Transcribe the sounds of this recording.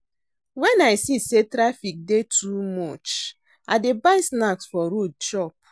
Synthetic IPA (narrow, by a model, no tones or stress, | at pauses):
wɛ̃naɪsisetɾafik̚detʰumɔt͡ʃ | adebaɪsnaksfɔɾod̚ʃɔp̚